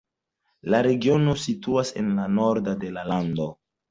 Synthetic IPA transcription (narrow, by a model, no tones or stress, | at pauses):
laɾe̞ɡio̞no̞situase̞̰nlano̞ɾdade̞lalando̞